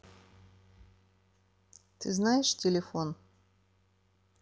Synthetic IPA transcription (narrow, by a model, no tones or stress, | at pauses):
t̪ɨznajɪʂtʲɪlʲɪfo̞n